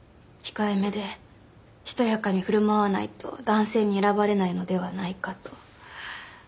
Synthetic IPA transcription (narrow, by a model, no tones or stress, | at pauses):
kʲi̥kaeme̞d̪e̞ | çi̥t̪o̞jakaɲ̟iɸɯ̟ɾɯ̟maβanait̪o̰d̪ãɰ̃se̞ːɲ̟ie̞ɾabaɾe̞naino̞d̪e̞βanaikat̪o̥